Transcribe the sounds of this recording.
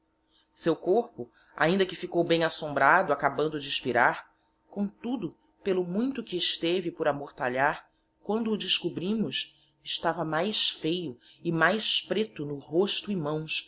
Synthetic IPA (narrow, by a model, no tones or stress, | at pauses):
sewkoɾpʊ | a̰ĩnd̪ɐkɪfikowbẽj̃asõmbɾad̪ʊakabɐ̃nd̪ʊd͡ʒɪːʃpiɾaɾ | kõt̪ud̪ʊ | pelʊmũj̃t̪ʊkɪːʃt̪evɪpʊɾamoɾt̪aʎaɾ | kwɐ̃nd̪ʊːd͡ʒɪʃkubɾĩmʊs | ɪʃt̪avɐmajsfejʊ | ɪmajspɾet̪ʊnʊɦoʃt̪ʊɪmɐ̃w̃s